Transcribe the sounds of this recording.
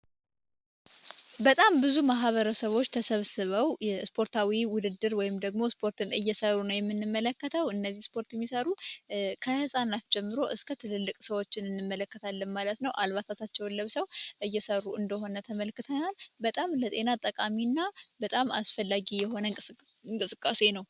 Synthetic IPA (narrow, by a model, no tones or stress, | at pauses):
bət̪ʼambɨzumaɦβəɾəsəβo̞t͡ʃːt̪ʰəsəβsɨβəwjɛspʰo̞ɾt̪ʰawiwʊd̪ɨd̪ːɨɾwɔjɪmd̪əɡmo̞spʰo̞ɾt̪ɨnɨjːɛsərːunəwjɛmːɨnːɨmːələkːət̪ʰəwɨnːəzːihspʰo̞ɾt̪jɛmːisəɾukʰəhɨsʼanat̪d͡ʒɛmːɨɾo̞ʔɨskʰət̪ʰɨlɨlːɨkʼsəwo̞t͡ʃːɪnɨnːɨmːələkːət̪ʰalːənmalət̪nəwʔalβat̪ʰat̪ʰat͡ʃːɛwlːəβsəwʔɨjːɛsərːuɨnd̪əho̞nət̪ʰəməlkːɨt̪ʰənalbət̪ʼamlət̪ʼe̞nat̪ʼːəkʼaminːabət̪ʼamasfəlːaɡijɛho̞nə | ɨŋkʼɨsɨkʼːase̞nəw